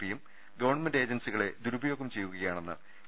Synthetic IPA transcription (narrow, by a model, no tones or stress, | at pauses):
pijum | ɡɐʋɐrɳmende̞ːd͡ʑɐnsiɣɐɭe̞d̪uɾubɐjo̞kːumt͡ɕe̞jːuɣɐɣɐjaːɳenːɨ̰